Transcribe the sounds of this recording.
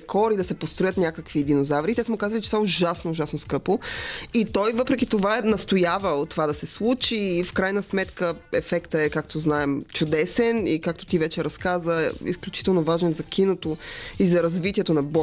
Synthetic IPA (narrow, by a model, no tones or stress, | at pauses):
kʰɔɾid̪ɐsɛpost̪ɾojət̪nʲakəkviːd̪inozavɾit̪ɛsmɛokazvəlit͡ʃɛsaoʒasnoːʒasnoskɤpoit̪ɔjvɤpɾɛkʲit̪ovaɛnɐst̪ojavət̪ːovad̪ɐsɛslˠut͡ʃifkɾajnəsmɛt̪kəɛfɛkt̪əɛkakt̪oznaɛmt͡ʃʊd̪ɛsɛnikak̚t̪o̥t̪ivɛt͡ʃɛɾɐskazəɛḭsklʲut͡ʃi̥t̪ɛlˠnovaʒɛnzɐkʲʰinot̪oizɐɾɐzvit̪ʲiɛt̪onɐbɔ